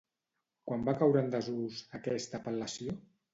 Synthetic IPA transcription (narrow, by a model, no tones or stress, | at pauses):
kwambakawɾənd̪əzuzəkɛst̪əpəlːəsijo